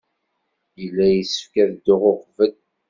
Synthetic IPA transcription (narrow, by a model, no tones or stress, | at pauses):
jəlːæjəsə̥fkæɾd̪ʊʁʊχvəl